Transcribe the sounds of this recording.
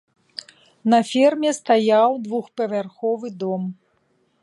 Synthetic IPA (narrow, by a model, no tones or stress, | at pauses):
nɐfʲɛrmʲɛst̪ajawd̪vuxpɐvʲarxɔvɨd̪ɔm